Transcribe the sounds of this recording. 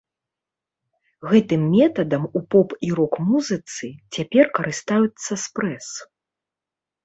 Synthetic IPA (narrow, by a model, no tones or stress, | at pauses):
ɣɛt̪ɨmːʲɛt̪ɐd̪ɐmupɔpiɾɔkmuzɨt̪sɨt͡sʲapʲɛrkɐɾɨst̪ajut̪sːɐspɾɛs